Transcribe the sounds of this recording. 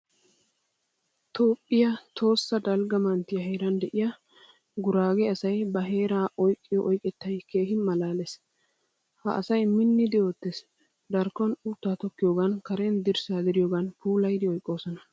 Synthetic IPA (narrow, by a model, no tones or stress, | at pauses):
t̪ʰoːpʼːɪjɐt̪ʰo̞ːsːɐd̪ɐlɡɐmɐnt̪ːɪjɐɦeːɾɐnd̪ɛʔɪjɐ | ɡʊɾaːɡɛɐsɐjbɐɦe̞ːɾaːʔɔjkʼːɪjɔʔɔjkʼɛt̪ːɐjkʰe̞ːɦɪmɐlaːles | hɐ̰ʔɐsɐjmɪnːɪd̪ɪo̞ːt̪ːes | d̪ɐɾkːɔnut̪ːaːt̪ɔkːɪjoːɡɐnkɐɾɛnd̪ɪɾsaːd̪ɪɾɪjoːɡɐnpuːlɐjd̪ɪɔjkʼːo̞ːsɔnɐ